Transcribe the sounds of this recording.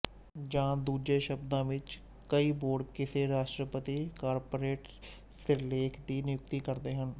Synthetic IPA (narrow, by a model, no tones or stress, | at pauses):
d͡ʒãːd̪uːd͡ʒeːʃəbd̪ãːʋɪt͡ʃ | kəiːboːɽkɪseːɾaːʃʈɾəpət̪iːkaːɾpoːɾeːʈ | sɪɾleːkʰd̪iːnɪjʊk̚t̪iːkəɾd̪eːɦən